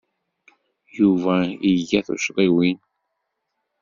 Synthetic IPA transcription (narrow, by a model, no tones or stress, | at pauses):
juvæiʝæθṵʃʁˤiwin